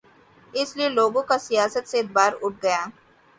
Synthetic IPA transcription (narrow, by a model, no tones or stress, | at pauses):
ɪslieloːɡõkasijaːsət̪seɪt̪̚baːɾʊʈ̚ʰɡɐjaː